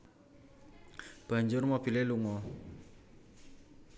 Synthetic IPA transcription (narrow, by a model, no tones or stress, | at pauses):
b̥a̤ɲd͡ʒʊrmob̥ileluŋɔ